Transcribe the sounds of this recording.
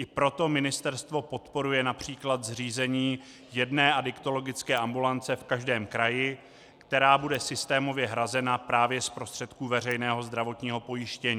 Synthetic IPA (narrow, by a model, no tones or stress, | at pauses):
ʔɪpɾo̞t̪o̞mɪnɪst̪ɛɾst̪vo̞po̞t̪po̞ɾujɛnapr̝̥iːklat̪zriːzɛɲiː | jɛdnɛːʔadɪkt̪o̞lo̞ɡɪt͡skɛːʔambulant͡sɛfkaʒdɛːmkɾajɪ | kt̪ɛɾaːbudɛsɪst̪ɛːmo̞vjɛɦɾazɛnapɾaːvjɛspɾo̞st̪r̥ɛt̪kuːvɛrɛjnɛːɦo̞zd̪ɾavo̞t̪ɲiːɦo̞po̞jɪʃcɛɲiː